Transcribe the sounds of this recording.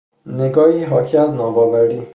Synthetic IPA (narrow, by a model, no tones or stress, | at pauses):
neɡɒːjiːɦɒːcʰiæznɒːbɒːvæɾiː